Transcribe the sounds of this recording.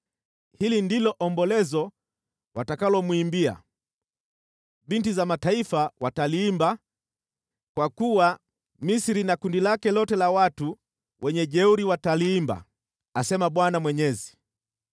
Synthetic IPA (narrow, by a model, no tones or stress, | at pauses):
hilindilɔʔɔmbɔlɛzɔ | watakalɔmwuimbia̰ | bintizamataifawataliːmba | kwakuwa | misiɾinakundilakɛlɔtɛlawatu | wʔɛɲɛʄɛuɾiwataliːmba̰ | asɛmaɓwanamwɛɲɛzi